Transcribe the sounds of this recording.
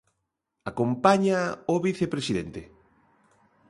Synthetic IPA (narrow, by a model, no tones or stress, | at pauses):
akompaɲaoβiθepɾesiðent̪e